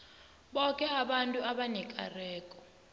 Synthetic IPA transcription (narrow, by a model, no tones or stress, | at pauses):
ɓɔkʼɛaɓantʼuaɓanɛkʼa̰rɛːkʼɔ̥